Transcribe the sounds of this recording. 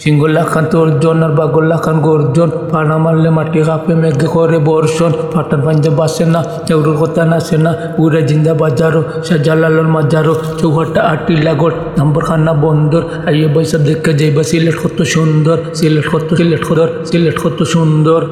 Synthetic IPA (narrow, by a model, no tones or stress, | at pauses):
siŋɡɔlakʰːant̪ɔɾd͡ʒɔnaɾbaɡɔlːakʰːanɡɔɾd͡ʒɔnpʰaɽamalːemaʈːiɣapemɛɡakɔɾebɔɾʃɔnpʰaʈaɾpʰaɲd͡ʒabasena | t͡ʃɛwɾɔɾkɔt̪anasena | puɾad͡ʒind̪abad͡ʒaɾɔ | ʃad͡ʒalalɔɾmad͡ʒaɾɔ | t͡ʃɔwɦaʈːaʔaʈːilaɡɔʈ | d̪ambɔɾkʰanːabɔnd̪ɔɾ | ajɔbaisab̚d̪ɛkːad͡ʒajbasileʈkʰɔt̪ːɔʃund̪ɔɾsileʈkʰɔt̪ːɔleʈkʰɔɾsileʈkʰɔt̪ːɔʃund̪ɔɾ